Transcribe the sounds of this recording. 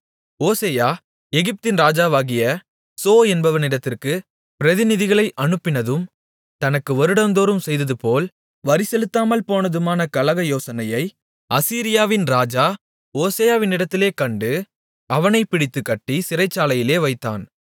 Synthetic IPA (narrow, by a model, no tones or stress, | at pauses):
oːseːjaː | ɛɣɪp̚t̪ɪnɾaːd͡ʒaːʋaːɣɪjɐ | soːɛnbɐʋɐnɪɽɐt̪ːɪrkɯ | pɪɾɐðɪnɪðɪɣɐɭɐɪʔɐnɯpːɪnɐðɯm | t̪ɐnɐkːɯɔɾɯɽɐnd̪oːɾɯmsɛjðɐðɯpoːl | ʋɐɾɪsɛlɯt̪ːaːmɐlpoːnɐðɯmaːnɐkɐlɐɣɐjoːsɐnɐjɐɪ | ʔɐsiːɾɪjaːʋɪnɾaːd͡ʒaː | oːseːjaːʋɪnɪɽɐt̪ːɪleːkɐɳɖɯ | ɐʋɐnɐɪpɪɽɪt̪ːɯkːɐʈːisɪrɐɪt͡ʃːaːlɐjɪleːʋɐɪt̪ːa̰ːn